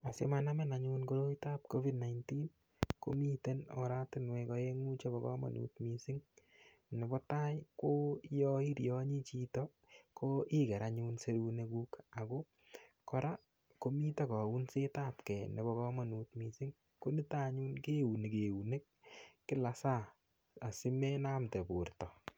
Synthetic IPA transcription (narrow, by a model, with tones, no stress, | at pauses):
a˨se˦maname˦na˨ɲunko˦ɾo˦ita˦p̚ko˦vi˦dna˨jnti˦n | ko˦mi˦te˦nɔ̰˨ɾa˦tɪ˦nwɛ˧kɔ˦e˦ŋu˦t͡ʃe˦bɔkɔ̰˦ma̰˨nṵtmi˧sɪ˦ŋ | ne˨bɔ˦ta˦jko˦jɔi˦ɾjɔ˦ɲi˦t͡ʃi˦tɔ | kʰoʔɪ˦kɛ˨ɾa˨ɲu˧nse˦ɾu˧ne˧kuː˦ka˨ko˦ | kɔ˦ɾa˦ | ko˦mi˦ta˦kɔ˨u˦nse˦taː˦tkɛ˨ne˨bɔ˧kɔ˦ma˨nu˨tmi˨sɪ˦ŋ | ko˦ni˦ta˦ɲu˦nke˦u˨ne˨ke˨u˨ne˦k̚ːɪ˦la˨sa˦˨ | a˨sɪ˦me˦na˦mte˨pu˨rtɔ˨